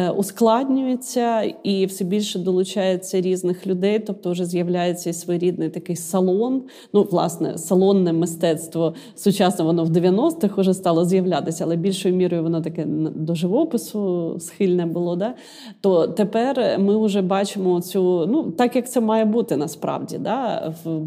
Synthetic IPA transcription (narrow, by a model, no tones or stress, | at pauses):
ʊsklˠɑd̪ʲnʲʊjet͡sʲːɐiwsɛbʲilʲʃɛd̪ɔlˠʊt͡ʃɑjet͡sʲːɐɾʲiznɪxlʲʊd̪ɛjt̪ɔp̚t̪ɔʊʒɛzjɐwlʲajet͡sʲːɐisʋɔjɾʲid̪̚nɪjt̪ɐkɪjsɐlˠɔn | nuʋlˠɑ̰snɛ̰sɐlˠɔnːɛmɪst̪ɛt̪st̪ʋɔ | sʊt͡ʃɑsnɔʋɔnɔwd̪eʋʲjɐnɔst̪ɪxʊʒɛst̪ɑlˠɔzjɐʋlʲat̪ɪsʲɐɐlˠɛbʲilʲʃɔjʊmʲiɾɔjʊʋɔnɔt̪ɐkɛnd̪ɔʒɪʋɔpɪsʊsxɪlʲnɛbʊlˠɔd̪ɑ | t̪ɔt̪epɛrmɪʊʒɛbɑt͡ʃɪmɔt͡sʲunut̪ɑkjɐk̚t̪sɛmɑjɛbut̪ɪnɐspɾɑ̰wdʲḭd̪ɑw